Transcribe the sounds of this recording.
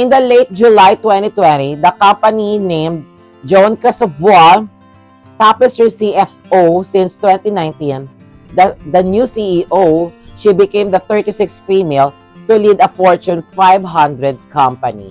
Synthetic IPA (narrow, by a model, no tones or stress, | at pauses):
ʔɪ̃nd̪ɐleɪt̪̚d͡ʒʊlajt̪wɛ̃nt̪it̪wɛ̃nt̪id̪ɐkɐ̃mpɐninẽɪ̃md̪̚ | d͡ʒonkɹɪst̪ɔfa | t̪apɛst̪ɹisiɛfʔosɪ̃nst̪wɛ̃nt̪inãjnt̪ĩn | d̪ɐd̪ɐnjusiʔiʔoʃibɪkẽɪmd̪ɐθɛɹt̪isɪksfimel | t̪ʊlid̪ɐfɔɹt͡ʃʊ̃nfajbɦʌ̃nd̪ɾɛd̪̚kʰʌ̃mpɐnḭ